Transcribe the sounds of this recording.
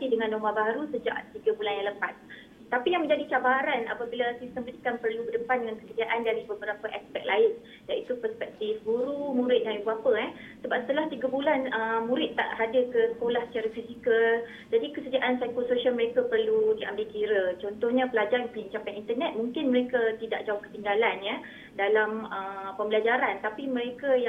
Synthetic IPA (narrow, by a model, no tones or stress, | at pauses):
t̪idəŋãndomabaɾusəd͡ʒa̰ʔt̪iɡabulanjãŋləpat̪̚ | t̪apijaŋmə̃ɲd͡ʒadit͡ʃabaɾana̰pəbilasist̪əmbədikanpərlubərdəpandəŋankəsərd͡ʒiaʔandaɾibəbəɾapəʔɛspɛk̚lʔaɪn | danit̪upəspɛk̚t̪ifɡuɾumũɾɪt̪̚danibuapəɛ | səbapsət̪əlaht̪iɡabulanəmũɾɪt̪ːa̰ʔɾadəkəsə̥kolahsə̥t͡ʃaɾafisikəl | d͡ʒadikəsəd͡ʒaʔansajkəlsoʃialməɾekapərludiʔa̰mbɪlkiɾət͡ʃɔnt̪ɔhɲãpəlad͡ʒarpəɲiɲt͡ʃapanint̪ərnɛt̪̚mũŋkɪnməɾekat̪ida̰ʔ̚d͡ʒauhkə̥t̪iŋɡalanja | dalaməpəmbəlad͡ʒaɾant̪apimə̃ɾekaja